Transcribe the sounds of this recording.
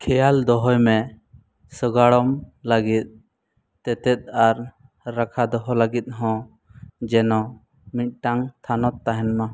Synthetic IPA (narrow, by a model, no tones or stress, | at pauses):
kʰɛjald̪ɔɦɔjmɛ | səɡaɽɔmlaɡit̪̚ | t̪ɛt̪ɛt̪̚ˀaɾː | akʰad̪ɔɦɔlaɡit̪̚ˀɦɔ̃ | d͡ʒɛnɔ̃ | mit̪̚ˀʈaŋt̪ʰanɔt̪ːaɦɛnma